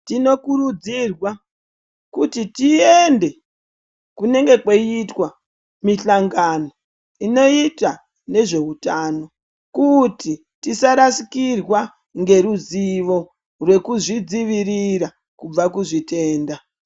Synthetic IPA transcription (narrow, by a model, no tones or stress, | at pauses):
tino̞kurud͡zirwa | kutitiende̞ | kune̞ŋɡe̞kweitwa | miɬaŋɡano̞ | ino̞ita | ne̞ʐe̞utaːno̞ | kuti | tisaɾasikirwa | ŋɡe̞ɾuziʋo̞ | rwe̞kuʐid͡ziʋiriɾa | kub͡vakuʐite̞ːnda